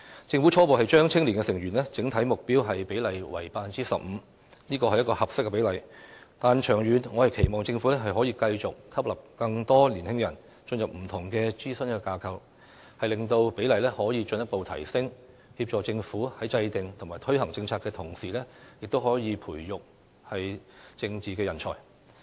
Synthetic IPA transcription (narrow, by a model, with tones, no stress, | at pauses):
t͡sɪ˧ŋfu˨˥t͡ʃʰɔː˥po˨wɦɐ˨˩jt͡ʃœː˥ŋt͡sʰɪ˥ŋli˨˩ŋkɛː˧sɪ˨˩ŋɥyː˨˩nlɛː˥t͡sɪ˨˥ŋt̪ʰɐ˨˥jmʊ˨k̚piː˥wɦɐ˨jpe˨˥jlɐ˨˩jwɐ˨˩jpaː˧fnt͡siː˥sɐ˨p̚m̩˨˧ | niː˥kɔː˧hɐ˨jɐ˥tkɔː˧hɐ˨p̚sɪ˥kːɛ˧pe˨˥jlɐ˨jt̪aː˨nt͡ʃʰœː˨˩ŋjyː˨nŋɔː˨˧hɐ˨jkʰe˨˩jmɔː˨˩ŋt͡sɪ˧ŋfu˨˥lɛː˥ɦɐ˨jɦɔː˨˥jiː˧kɐ˧jt͡ʃʊ˨k̚kʰɐ˥p̚lɐ˨˩p̚kɐ˧ŋt̪ɔː˥li˨˩nhɪ˥ŋjɐ˨˩n | t͡ʃɵ˧njɐ˨p̚m̩˨˩t̪ʰʊ˨˩ŋkɛː˧t͡siː˥sɵ˥nkɛː˧kaː˧kʰɐ˧w | hɐ˨jlɪ˨ŋt̪o˧wpe˨˥jlɐ˨jlɛː˥hɔː˨˥jiː˨˧t͡ʃɵ˧njɐ˥t̚po˨wt̪ʰɐ̰˨˩jsɪ˥ŋ | hi˧p̚t͡ʃɔː˨˩t͡sɪ˧ŋfuː˨˥hɐ˨˥jt͡sɐ˧jt̪ɪ˨ŋt̪ʰʊ˨˩ŋmaː˨jt̪ʰɵ˥ɥhɐ˨˩ŋt͡sɪ˧ŋt͡sʰaː˧kːɛː˧t̪ʰʊ˨˩ŋsiː˨˩lɛː˥jɪ˨k̚t̪o˥whɔː˨˥jiː˨˧pʰuː˨˩jjʊ˨k̚ | hɐ˨jt͡sɪ˧ŋt͡siː˨˩kɛː˧jɐ˨˩nt͡ʃʰɔ̰ː˨˩j